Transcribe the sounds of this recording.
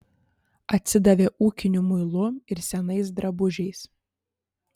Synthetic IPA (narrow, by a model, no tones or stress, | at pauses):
ɐt̪ʲsʲɪd̪ɐʋʲeːʔuːkʲɪnʲumʊɪlˠʊɪɾsʲɛnɐɪs̬d̪ɾɐbʊʒʲɛɪs